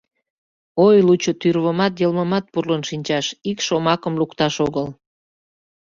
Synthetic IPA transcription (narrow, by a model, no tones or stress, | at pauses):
ojlut͡ɕot̪yrβəmɑt̪jəlməmɑt̪̚purlənʃinʲt͡ɕɑʃikʃomɑkəmlukt̪ɑʃoɣəl